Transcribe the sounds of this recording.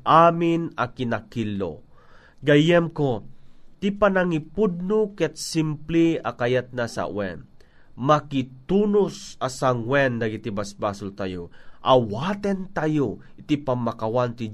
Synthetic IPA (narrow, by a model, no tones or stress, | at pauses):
ʔaːminɐkinakilːo̰ | ɡɐjɛmkot̪ipanaŋipud̪̚nokɛt̪̚simpliakajat̪̚nasa̰ʔwɛ̰n | makit̪unʊsasaŋwɛnd̪ɐɡit̪ibasbaːsʊlt̪ajoʔawat̪ɛnt̪ajo | ɪt̪ipamːakawant̪i